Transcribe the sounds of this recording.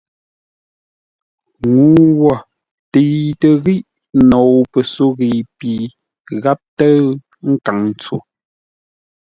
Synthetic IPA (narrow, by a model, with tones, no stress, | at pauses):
ŋu˨˦wɔ˨ | tə˨tə˨ɣi˦ʔ | nɔ˨wpə˨so˦ɣi˨pi˨ | ɣa˦p̚tə˦ | ŋ̩˦ka˨ŋn˨t͡so˨